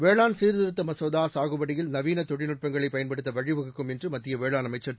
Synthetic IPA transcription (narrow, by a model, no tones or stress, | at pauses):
ʋeːɭaːnsiːɾðɪɾɯt̪ːɐmɐsɐːðaːsaːɣɯʋɐɽɪjɪlnɐʋiːnɐt̪ɔɽɪnɯʈ̚pɐŋɡɐɭɐɪpːɐjɐnpɐɽɯt̪ːɐʋɐɻɪʋɐɣɯkːɯmɛndrɯmɐt̪ːɪjɐʋeːɭaːnɐmɐɪt͡ʃːɐɾ